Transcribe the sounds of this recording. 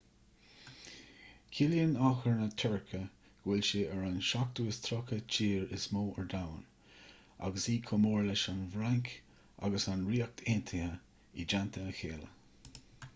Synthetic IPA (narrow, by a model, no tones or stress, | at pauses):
kʰɪljənɔxəɹnət̪ʰɛɹkʰə | ɡ̥wɪlʃɪəɹanʃak̚t̪uːəst̪ʰɾɔkət͡ʃʰiːɹɪsmoːʔəɹd̪awn | a̰ɡəsiːkʰʊmoːɹlɪʃanvɾaŋkʰ | ʔa̰ɡəsanɹiːək̚t̪ʰent̪ʰɪə | ḭd͡ʒant̪ʰəːxeːlə̰